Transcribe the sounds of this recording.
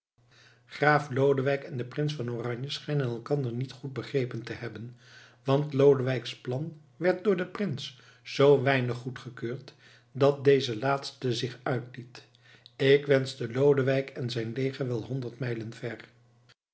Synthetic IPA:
χraːflowdəʋɛjkɛndəprɪns̬fɑnoːrɑɲjəsχɛjnənɛlˠkɑndəɹnitχud̚bəχrejpəntəhɛbən | ʋɑntlowdəʋɛjksplɑn | ʋɛɹt̚dʊːɹdəprɪns | z̥owʋɛjnəχːutχəkøːɹt | dɑt̚dejzəlaːtstəzɪχœɥtlit | ɪkʋɛnzdəlowdəʋɛjkɛnzɛjnlejχəʋɛlˠɦɔndəɹtmɛjlənvɛr

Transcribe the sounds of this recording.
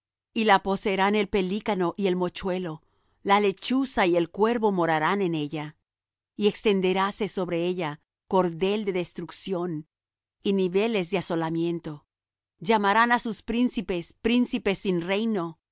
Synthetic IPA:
ilapo̞seːɾane̞lpe̞likano̞ʔie̞lmo̞t͡ʃwe̞lo̞ | lale̞t͡ʃusaie̞lkwe̞ɾβo̞mo̞ɾaɾane̞ne̞ʝa | ie̞kst̪e̞nd̪e̞ɾase̞so̞βɾeeʎa | ko̞ɾðe̞ld̪e̞ðe̞st̪ɾuksjo̞n | iniβe̞le̞zðeaso̞lamje̞nt̪o̞ | ʝamaɾanasuspɾinsipe̞spɾinsipe̞sːinre̞jno̞

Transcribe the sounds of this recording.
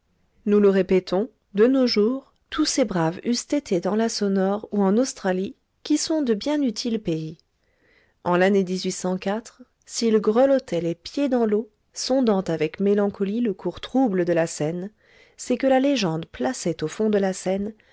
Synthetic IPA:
nuləʁepɛt̪ʰɔ̃ | d̪ənoʒuːʁ | t̪ʰusebʁavyst̪et̪ʰed̪ɑ̃lasɔnɔʁuɑ̃nost̪χali | kʲisɔ̃d̪əbjɛ̃nyt̪ʰilpei | ɑ̃laned̪izɥisɑ̃kat̪χ | silɡʁəlɔt̪ʰɛlepjed̪ɑ̃lo | sɔ̃d̪ɑ̃t̪avɛkmelɑ̃kʰɔliləkʰuʁt̪χubləd̪əlasɛn | sɛkəlaleʒɑ̃d̪plasɛt̪ofɔ̃d̪əlasɛn

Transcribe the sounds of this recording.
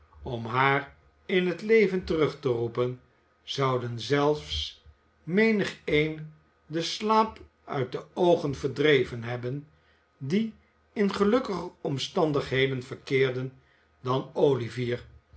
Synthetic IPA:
ɔmɦaːr | ɪnɦətlejvəntərɵχtərupən | z̥ɑwdənzɛlˠfs | mejnəχejn | dəslaːp | œ̰ɥt̚dəowχənvəɹdrejvənɦɛbən | di | ɪnχəlɵkəχəɔmstɑndəχɦejdənvəɹkɪːɹdən | dɑnoːliviːɹ

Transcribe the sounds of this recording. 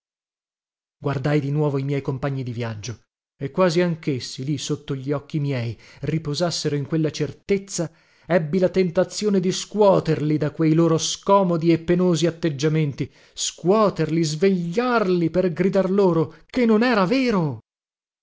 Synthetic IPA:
ɡward̪ajd̪inwɔːvoimjɛjkompaɲːid̪ivjad͡ʒːo | ekːwaːziaŋkesːilisot̪ːoʎːiɔkːimjɛjripozasːeɾoiŋkwelːat͡ʃert̪et̪sːa | ɛbːilat̪ent̪at̪sjoːned̪iskwɔːt̪erlid̪akwejloːɾoskɔːmod̪iepːenoːziat̪ːed͡ʒːament̪i | skwɔːt̪erlizveʎːarliperɡɾid̪arloːɾokenːonɛːɾaveːɾo

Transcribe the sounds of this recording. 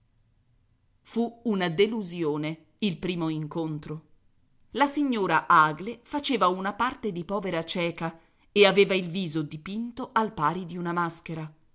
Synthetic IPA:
fuunad̪eluzjoːne | ilpɾiːmoiŋkont̪ɾo | lasiɲːoːɾaʔaːɡlefat͡ʃeːvaunapart̪ed̪ipɔːveɾat͡ʃɛːka | eaveːvailviːzod̪ipint̪oʔalpaːɾid̪iunamaskeɾa

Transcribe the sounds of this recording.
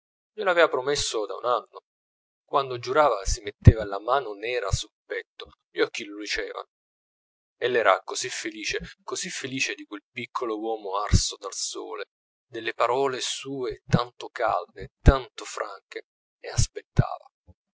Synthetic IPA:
melavɛːvapɾomesːod̪a̰ṵnanːo | kwand̪od͡ʒuɾaːvasimet̪ːeːvalamaːnonɛːɾa̰sulpɛt̪ːo | ʎɔkːilod̪it͡ʃɛːva̰no | elːɛːɾakozifːeliːt͡ʃekozifːeliːt͡ʃed̪ikwelpikʰːolowɔːmoarsod̪also̰ːle | d̪elːepaɾɔːlesuːet̪ant̪okaa̰ld̪et̪ant̪ofɾʔa̰ŋk̟eː | aspet̪ʰːa̰ːva̰

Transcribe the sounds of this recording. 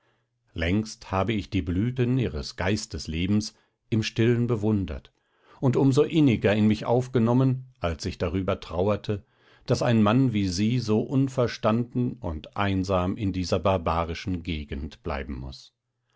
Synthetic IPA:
lɛŋksthaːbəɪçd̥iːblyːtəniːʁəsɡ̥aɪstəsleːbm̩s | ʔɪmʃtɪlənbəvʊndɐ̰t | ʊntʊmzoʔɪnɪɡɐɪnmɪçʔa̰ʊfɡ̥ənɔmənʔalsɪçd̥aʁyːbɐtʁ̥aʊɐtʰə | d̥asaɪnmanviːziːzoːʔʊnfɛɐʃtandn̩ʊ̰ntʔa̰ɪnzaːmɪndiːzɐbaɐbaːʁɪʃn̩ɡeːɡn̩tb̥la̰ɪbm̩mʊ̰s

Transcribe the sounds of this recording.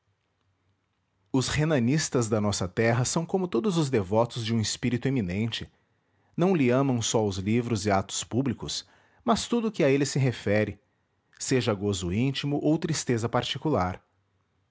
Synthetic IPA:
ʊshenɐnist̪ɐzd̪ɐnɔsɐt̪ɛɦɐsɐ̃w̃kõmʊt̪od̪ʊzʊzd̪evɔt̪ʊzd͡ʒɪũɪspiɾit̪ʊeminẽnt͡ʃɪ | nɐ̃w̃lɪɐ̃mɐ̃w̃sɔʊzlivɾʊzɪat̪ʊ̥spublikʊs | mɐst̪ud̪ʊːkɪɐelɪsɪɦefɛɾɪ | seʒɐɡozʊĩnt͡ʃimʊʔowt̪ɾist̪ezɐpaɾt͡ʃikulaɾ

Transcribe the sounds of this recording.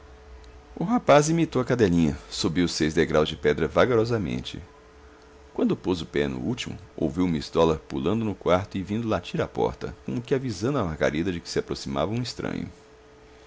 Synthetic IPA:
ʊɦapazimit̪owɐkad̪ɛlĩɲɐsobiwsejzd̪eɡɾawzd͡ʒɪpɛd̪ɾɐvaɡoɾɔzɐmḛ̃nt͡ʃɪ̰ | kwɐ̃nd̪ʊpozʊpɛnʊ̰ut͡ʃimʊ̰o̰wviwmist̪ɔlɐpulɐ̃nd̪ʊnʊkwaɾt̪ʊɪvĩnd̪ʊlat͡ʃiɾapɔ̰ɾt̪ɐ̰kõmʊkɪavizɐ̃nd̪ʊɐmaɾɡa̰ɾid̪ɐd͡ʒɪkɪ̥sɪapɾosima̰vɐũist̪ɾɐ̰̃ɲʊ̰

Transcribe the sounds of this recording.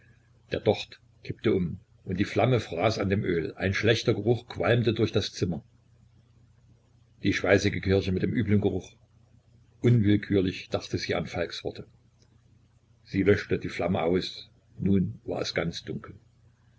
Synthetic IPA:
d̥eːɐd̥ɔχt | kʰɪp̚təʔʊm | ʔʊntd̥iːflaməfʁ̥aːsandeːmʔøːlʔa̰ɪnʃlɛçtɐɡəʁʊχkʰv̥a̰lmtədʊɐçd̥ast͡sɪmɐ | d̥iːʃpaɪsɪɡəkʰɪɐçəmɪtd̥eːmʔyːblənɡəʁʊχ | ʔʊnvɪlkʰyːɐlɪçd̥aχtəziːa̰nfalksv̥ɔɐtʰə | z̥iːlœʃtədiːflaməʔa̰ʊs | nuːnva̰ːɐɛ̰sɡ̥ant͡sd̥ʊŋkʰl̩

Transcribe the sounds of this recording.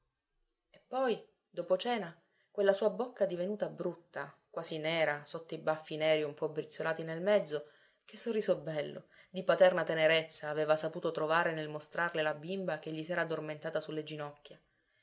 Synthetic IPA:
epːɔj | d̪oːpot͡ʃɛːna | kwelːasuːabokːad̪ivenuːt̪abɾut̪ːa̰kwaːzinɛːɾasot̪ːoibafːinɛːɾiumpɔbɾit̪sːolaːt̪inelmɛd̪zːo | k̟esːorːiːzobːɛlːo̰ | d̪ipat̪ɛrnat̪eneɾet̪sːaːveːvasapuːt̪ot̪ɾovaːɾenelmost̪ɾarlelabimbak̟eʎːisɛːɾad̪orment̪aːt̪asulːed͡ʒinɔkʲːja

